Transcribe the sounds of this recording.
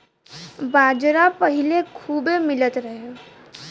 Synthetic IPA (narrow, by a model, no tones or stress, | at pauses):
baːd͡ʒɾapəɦilekʰuːbemɪlət̪ɾəɦe